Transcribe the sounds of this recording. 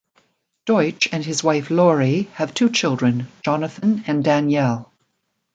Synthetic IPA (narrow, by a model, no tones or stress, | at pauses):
d̥ɔɪt͡ʃɨ̃nɨzwaɪflɔɹiəv̥tʰʉːt͡ʃʰɪlˠdɹɨ̃nd͡ʒɑnəθə̃nɨ̃ndæ̃njɛlˠ